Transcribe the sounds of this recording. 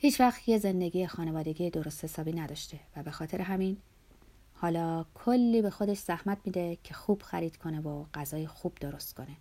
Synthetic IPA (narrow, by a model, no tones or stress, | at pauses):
hiːt͡ʃvæxt̪je̞ze̞nd̪e̞ɡiːexɒːne̞vɒːd̪e̞ɡijed̪o̞ɾo̞st̪he̞sɒːbiːnæd̪ɒːʃt̪e̞væbe̞xɒːt̪ʰe̞ɾeɦæmin | hɒːlɒːkʰolːiːbe̞xo̞d̪e̞ʃz̥æhmæt̪̚ʰmiːd̪ecʰe̞xuːb̥xæɾiːd̪̥kʰo̞ne̞voɢ̥æzɒːjexuːb̥d̪oɾo̞st̪kʰo̞ne̞